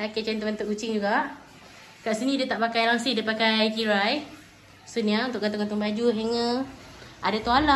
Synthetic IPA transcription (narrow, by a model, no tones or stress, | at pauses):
akat͡ʃant̪ubant̪uʔkut͡ʃɪŋd͡ʒuɡaʔ | kaʔsinĩdat̪aʔpakajlaŋsidipakajkiɾaj | suniaunt̪ʊʔkant̪ʊŋɡant̪uŋbad͡ʒuɦɛŋə̃ | adat̪uala